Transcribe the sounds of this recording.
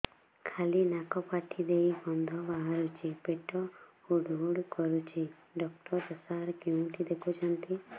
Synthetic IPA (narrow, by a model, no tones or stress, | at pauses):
kʰalinakɔpaʈʰid̪ejbɔnd̪ʱɔbaɦaɾut͡ʃʰipeʈɔhuɖɦuɽkɔɾut͡ʃʰi | ɖɔkʈɔɾd͡ʒɔsaɾkjũʈid̪ekʰut͡ʃʰɔnt̪i